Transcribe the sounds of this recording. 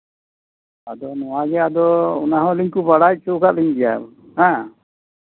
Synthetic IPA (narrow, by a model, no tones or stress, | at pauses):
ad̪ɔnɔwaɡɛad̪ɔɔnaɦɔ̃liɲkubaɽac̚ˀt͡ʃukaʔliɲbɛja̰ | hã